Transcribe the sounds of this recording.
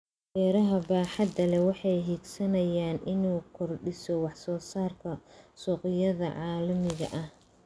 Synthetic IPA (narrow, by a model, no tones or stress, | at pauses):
wɛːɾɐɦɐbaːħɑd̪ɐlɛwɑħɑjɦiːɡsɐnɐjaːnʔɪnuːkʰɔrɖɪsɔwɑħsɔːsaːrkʰɐsɔːqɪjɐðɐ̰ʕɑːlɐmɪɣɐ̰ʔɐh